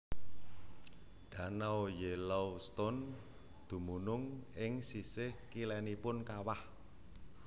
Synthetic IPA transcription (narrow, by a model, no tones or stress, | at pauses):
ɖ̥ä̤nawjelawst̪ɔn | d̪̥ṳmunʊŋɪŋsisɪhkilɛnipʊnkawah